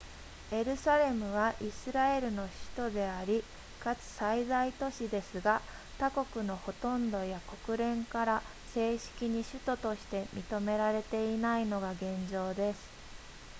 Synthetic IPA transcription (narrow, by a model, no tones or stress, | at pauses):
e̞ɾɯ̟saɾe̞mɯ̟β̞aʔisɨɾae̞ɾɯ̟no̞ɕɨ̥t̪o̞d̪e̞aɾʲi | kat͡sɨ̥saizait̪o̞ɕid̪e̞sɨɡa | t̪ako̞kɯ̟no̞ho̞t̪õ̞nd̪o̞jako̞kɯ̟ɾẽ̞ŋkaɾa | se̞ːɕi̥kʲiɲ̟iɕɨt̪o̞t̪o̞ɕi̥t̪e̞mʲit̪o̞me̞ɾaɾe̞t̪e̞inaino̞ɡaɡẽ̞ɲ̟d͡ʑo̞ːd̪e̞sɨ̥